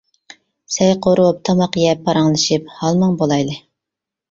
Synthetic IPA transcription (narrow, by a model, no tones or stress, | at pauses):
sɛjqʰoɾuwup̚t̪ʰɑmɑqjɛpʰːɑɾɑŋlˠɨʃip̚hɑlˠmɨŋbolˠɑjlɨ